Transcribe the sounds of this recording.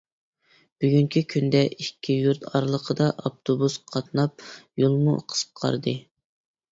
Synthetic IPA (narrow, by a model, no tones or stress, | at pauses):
b̥yɡʲyŋkʲʰikʲʰynd̪ɛʔikʲʰːijuɾt̪ʰɑɾlˠəqʰəd̪ɑʔɑp̚t̪ʰobusqʰɑt̪nɑp̚jolˠmṵqʰə̥sqʰɑ̰ɾd̪ɨ